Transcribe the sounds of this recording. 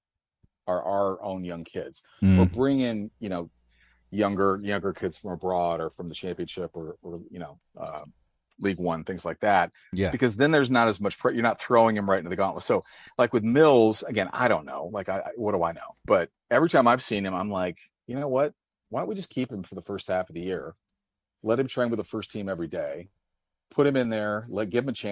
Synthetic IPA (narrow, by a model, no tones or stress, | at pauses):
ə˞ʔəə˞ʔõ̰ʊ̃njʌ̃ŋkʰɪdz̥ | wə˞bɹɪ̃ŋɪ̃ŋjɨnoʊ | jʌ̃ŋɡə˞jɨnʌ̃ŋɡə˞kʰɪdz̥fɹʌ̃məbɹɔɾə˞fɹʌ̃mðɨʃæ̃mpiɨ̃nʃɪpə˞ə˞jɨnoʊ | ʔʌ̰ | liɡwʌ̃nθɪ̃ŋzlaɪk̚ðæt̚ | jæbɨkʌzðɨ̃nðə˞znəɾɨzmʌt͡ʃpʰjə˞nət̪̚θɹoʊɪ̃ŋɨ̃mɹaɪɾɪ̃ntɨðɨɡɑ̃nləsoʊ | laɪkwɨðmɪlˠz̥ɨɡɛ̃na̰ɪɾõʊ̃nːo̰ʊlaɪkaɪʔa̰ɪwʌdəaɪno̰ʊb̥ʌɾ̚ | ɛvɹitʰãɪ̃maɪv̥sĩnɨ̃mãɪ̃mlaɪk | jɨnoʊwʌt̚ | waɪəwid͡ʒʌskʰipɨ̃ɱfə˞ðəfɜ˞st̚hæfʌvðɨjɪɹ | lɛt̚hɨ̃mtʰɹ̥aɪ̃wɨðəfɜ˞stʰĩmɛvɹideɪ | pʰʊɾ̚hɨ̃mɨ̃nðə˞lɛt̚ɡ̥ɪṽmɨt͡ʃʰæ̃